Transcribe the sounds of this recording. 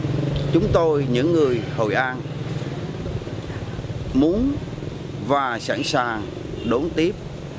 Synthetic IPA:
t͡ɕʊ˨˦ŋ͡mt̪o˧jɲɨ̰˧˥ŋːɨ˨˩əjho̰˨˩jʔaː˧n | mu˨˦ən | vaː˨˩sa̰ː˧˩nsaː˨˩ŋ | ɗo˨˦nt̪i˦˥əp̚

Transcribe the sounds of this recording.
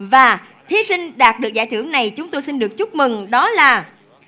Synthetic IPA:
vaː˨˩ | t̪ʰi˨˦sï˧ŋ̟ɗaː˨˩t̚ɗɨ˨˩ək̚zaː˧˩jt̪ʰɨ˧˩əŋna˨˩jt͡ɕʊ˨˦ŋ͡mt̪o˧jsi˧nɗɨ˨˩ək̚t͡ɕʊ˦˥k͡p̚mɨ˨˩ŋɗɔ˨˦laː˨˩

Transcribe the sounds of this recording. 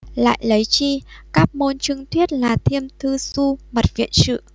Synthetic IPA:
la̰ː˧˨jlə˨˦jt͡ɕi˧kaː˦˥p̚mo˧nt͡ɕɨ˧ŋt̪ʰwi˦˥ət̚laː˨˩t̪ʰi˧əmt̪ʰɨ˧su˧mə˨˩t̚vḭ˧˨ənsɨ̰˧˨

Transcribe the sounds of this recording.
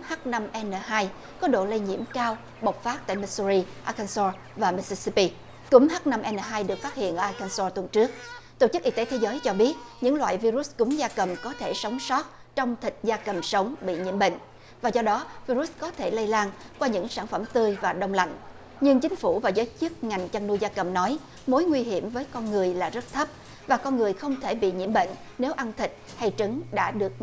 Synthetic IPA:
ha˦˥t̚na˧mʔɛ˧nəː˨˩ɦaː˧j | kɔ˨˦ɗo̰˧˨lə˧jɲḭ˧˥əmkaː˧w | ɓo˨˩wk͡p̚faː˦˥t̚t̪a̰ː˧˨jma˧su˧ɾi˧ʔaː˧kaː˧nsɔ˧ | vaː˨˩mi˧si˧si˧pi˧ | kʊ̰˨˦ŋ͡mɦaː˦˥t̚na˧mʔɛ˧nəː˨˩ɦaː˧jɗɨ˨˩ək̚fa˦˥t̚hḭ˧˨ənʔəː˧ʔaː˧ka˧nsɔ˧t̪wə˨˩nt͡ɕɨ˦˥ək̚t̪o˧˩t͡ɕɨ˦˥k̚ʔi˧t̪e˨˦t̪ʰe˨˦zəː˨˦jt͡ɕɔ˧ɓi˦˥ət̚ɲɨ̰˧˥ŋlwa̰ː˧˨jvi˧ɾu˦˥skʊ˨˦ŋ͡mzaː˧kə˨˩mkɔ˨˦t̪ʰe˧˩sə˨˦wŋ͡msɔ˦˥t̚ | t͡ɕɔ˧wŋ͡mt̪ʰï˨˩k̟̚zaː˧kə˨˩msə˨˦wŋ͡mɓḭ˧˨ɲḭ˧˥əmɓḛ˧˨ŋ̟ | vaː˨˩zɔ˧ɗɔ˨˦vi˧ɾu˦˥s̚kɔ˨˦t̪ʰe˧˩lə˧jlaː˧nkwaː˧ɲɨ̰˧˥ŋsaː˧˩nfə˧˩mt̪ɨ˧əjvaː˨˩ɗə˧wŋ͡mla̰˧˨jŋ̟ | ɲɨ˧ŋt͡ɕï˨˦ŋ̟fu˧˩vaː˨˩zəː˨˦jt͡ɕɨ˦˥ət̚ŋa˨˩jŋ̟t͡ɕa˧ŋnu˧jzaː˧kə˨˩mnɔ˨˦j | mo˨˦jŋwi˧ɦi˧˩əmvəː˨˦jkɔ˧nŋɨ˨˩əjlaː˨˩zə˦˥t̚t̪ʰə˦˥p̚ | vaː˨˩kɔ˧nŋɨ˨˩əjxə˧wŋ͡mt̪ʰe˧˩ɓḭ˧˨ɲi˧˥əmɓḛ˧˨ŋ̟ | ne˨˦wʔa˧nt̪ʰï˨˩k̟̚ | ha˧jt͡ɕɨ˨˦ŋɗa̰ː˧˥ɗɨ˨˩ək̚

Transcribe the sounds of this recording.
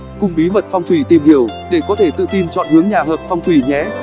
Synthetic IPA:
kʊ˧ŋ͡mɓi˨˦mə˨t̚fa˧wŋ͡mt̪ʰwi˧˩t̪i˨˩mhi˧˩əwɗe˧˩kɔ˨˦t̪ʰe˧˩t̪ɨ̰˧˨t̪i˧nt͡ɕɔ̰˧˨nhɨ˨˦əŋɲaː˨˩ɦəː˨˩p̚fa˧wŋ͡mt̪ʰwi˧˩ɲɛ̰˨˧˥

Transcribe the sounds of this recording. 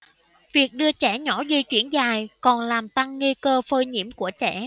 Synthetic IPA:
vi˨˩ək̚ɗɨ˧ət͡ɕɛ˧˩ɲɔ˧˥zi˧t͡ɕwi˧˩ənzaː˨˩jkɔ˨˩nlaː˨˩mt̪a˧ŋːi˧kəː˧fəː˧jɲḭ˧˥əmku˧˩ət͡ɕɛ̰˧˩˨

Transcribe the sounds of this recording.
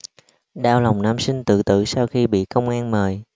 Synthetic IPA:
ɗaː˧wla˨˩wŋ͡mnaː˧msï˧ŋ̟t̪ɨ̰˧˨t̪ɨ̰˧˨saː˧wxi˧ɓḭ˧˨kə˧wŋ͡mʔaː˧nməː˨˩j

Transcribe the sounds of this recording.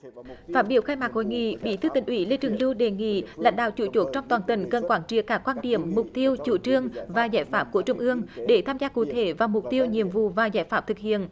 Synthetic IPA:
faː˦˥t̚ɓi˧˩əwxaː˧jmaː˨˩k̚ho˧˨jŋḭ˧˨ɓḭ˧˩˥t̪ʰɨ˧˦t̪ï˨˩ŋ̟ʔwi˧˩˦le˧t͡ɕɨ˨˩əŋlɨ˧wɗe˨˩ŋḭ˧˨la̰˧˥jŋ̟ɗa̰ː˧˨wt͡ɕu˧˦t͡ɕo˨˥t̚t͡ɕɔ˧wŋ͡mt̪waː˨˩nt̪i˨˩nkə˨˩nkwaː˧˩nt͡ɕḭ˧˨əkaː˨˦˥kːwaː˧nɗḭ˧˩˨əmːʊ˨˩k͡p̚t̪i˧əwt͡ɕu˧˩t͡ɕɨ˧əŋvaː˨˩zaː˧˩jfaː˦˥p̚ku˧˩ət͡ɕʊ˧ŋ͡mʔɨ˧əŋɗe˧˩t̪ʰaː˧mzaː˧kṵ˧˩t̪ʰe˧˦vaː˨˩mʊ˨˩k͡p̚t̪i˧əwɲḭ˧˨əmvṵ˧˨vaː˨˩zaː˧˩jfaː˦˥p̚t̪ɨ˨˩k̚hḭ˧˨ən

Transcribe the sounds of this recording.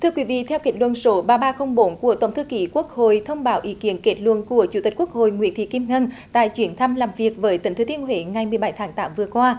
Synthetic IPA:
t̪ʰɨ˧əkwi˨˦vḭ˧˨t̪ʰɛ˧wki˨˩˥t̚lwə̰˧˨nso˨˦ɓaː˧ɓaː˧xə˧wŋ͡mɓo˨˦nku˧˩ət̪ə˨˧˩wŋ͡mt̪ʰki˨˦ku˦˥ək̚ho̰˧˨jt̪ʰə˧wŋ͡mɓaː˨˦wʔi˨˦ki˨˦ənke˨˦˥t̚lṵ˧˨nku˧˩ət͡ɕu˧˩t̪i̟˨˩ku˦˥ək̚ho̰˧˨jŋwḭ˧˥ənt̪ʰḭ˧˨˩ki˧mŋə˧n | t̪a̰ː˧˨jt͡ɕwi˧˩ənt̪ʰa˧mlaː˨˩mvi˨˩ək̚vəː˨˦jt̪ï˨˩˦ŋt̪ʰɨ˨˦t̪i˧ənɦwe˨˦ŋa˨˩jmɨ˨˩əjɓa˧˩˦jt̪ʰaː˨˦ŋt̪aː˨˦mvɨ˨˩əkwaː˧

